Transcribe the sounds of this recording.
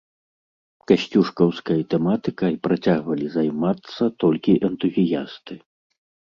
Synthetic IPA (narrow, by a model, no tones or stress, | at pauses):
kaɕʲt͡sʲuʂkɐwskɐjɐt̪ɛmat̪ɨkɐipɾat͡sʲaɣvɐlʲizajmat̪sːɐt̪ɔlʲkʲiʔɛnt̪uzʲija̰st̪ɨ